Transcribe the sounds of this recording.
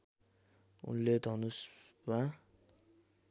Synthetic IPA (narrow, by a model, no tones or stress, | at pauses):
ṵnled̪ʱʌnusma